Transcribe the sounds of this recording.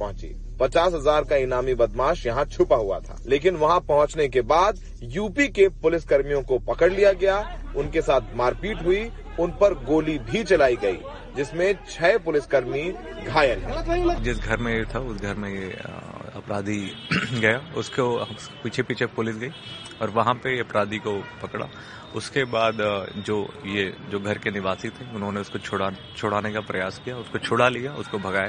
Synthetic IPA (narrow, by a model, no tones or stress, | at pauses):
pɐɦʊ̃t͡ʃḭː | pɐt͡ʃaːsɦɐzaːɾkaɪnaːmibɐd̪maːʃjɐɦãt͡ʃʰʊpaɦua̰t̪ʰa̰ːleːkɪnʋɐɦãpɐɦʊ̃t͡ʃnekebaːd̪ | juːpikepʊlɪskɐɾmijõkopɐkəɽlijaɡɐjaʊnkesaːt̪ʰmaːɾkiːʈɦʊi | ʊnpɐɾɡoːlibʱit͡ʃɐlaːiɡɐḭː | d͡ʒɪsmẽt͡ʃʰɛːpʊlɪskɐɾmi | ɡʱaːjəlɦɛd͡ʒɪsɡʱɐɾmẽjet̪ʰaʊsɡʱɐɾmẽjeɐ̰pɾaːd̪ʱiɡɐjaʊskoɦ | piːt͡ʃʰepiːt͡ʃʰepʊlɪsɡɐi | ɔːɾʋɐɦãpejeɐpɾaːd̪ikopɐkɽa̰ | ʊskebaːd̪d͡ʒoːjed͡ʒoːɡʱɐɾkenɪʋaːsɪt̪ɦɛ̃ʊnɦõneʊskot͡ʃʰoɽa | t͡ʃʰoːɽaːnekapɾɐjaːskijaʊskot͡ʃʰoːɽalijaʊskobʱɐɡaːja